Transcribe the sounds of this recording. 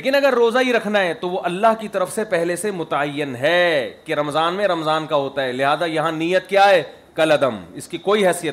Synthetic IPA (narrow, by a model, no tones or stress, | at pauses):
eːkɪnɐɡəɾːoːzaɦiɾɐkʰnaɦɛt̪oʋoʔɐlːaɦkit̪ɐɾəfsepɛɦlesemʊt̪aəjːɪnɦɛːkeɾɐmzaːnmẽɾɐmzaːnkaɦoːt̪aɦɛːlɪɦaːzajɐɦãniːjət̪̚kjaːɦɛː | kɐlɐd̪əmɪskikoːiɦɛːsijət̪